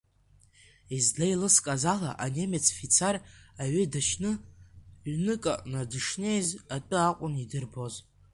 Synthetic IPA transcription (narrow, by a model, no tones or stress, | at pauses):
izlajlɨskʼazala̰ʔane̞met͡sʰfit͡sʰaraɥʏdaʃnɨ | nɨkʼa̰nadɨʂne̞jzatʷʼɨaqʷʼʊnidɨrbo̞z